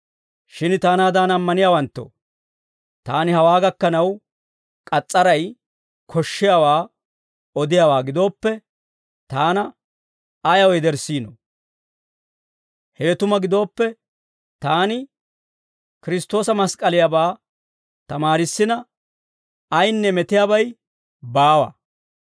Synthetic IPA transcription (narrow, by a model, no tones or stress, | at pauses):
ʃɪnt̪aːnaːd̪anɐmːɐnɪjaːwɐnt̪ːɔ̰ | t̪aːnɪhɐwaːɡɐkːɐnɐw | kʼɐt͡sʼːɐɾɐj | kʰɔʃːɪjawaː | ɔd̪ɪjaːwaːɡɪd̪o̞ːpːɛ | t̪aːnɐ | ɐjɐwɔjd̪ɛɾsːiːnɔ | heːt̪ʊmɐɡɪd̪o̞ːpːɛ | t̪aːnɪ | kɪɾɪst̪o̞ːsɐmɐskʼɐlɪjabaː | t̪ɐmaːɾɪsːɪnɐ | ɐjnːɛmɛt̪ɪjabɐj | baːwɐ̰